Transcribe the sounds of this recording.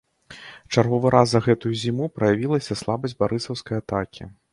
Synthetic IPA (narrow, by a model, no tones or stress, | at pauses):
t͡ʂarɣɔvɨɾazɐɣɛt̪ujuzʲimupɾɐjavʲilˠɐsʲɐslˠabɐzʲbaɾɨsɐwskɐjat̪akʲḭ